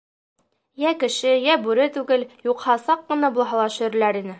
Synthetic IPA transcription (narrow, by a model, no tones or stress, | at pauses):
jækɘ̆ʃɘjæbʉɾɘt̪ʉɡɘljuqhɑsɑqːɤ̆nɑbulˠɦɑlˠɑʃɘ̆jɘɾlæɾinɘ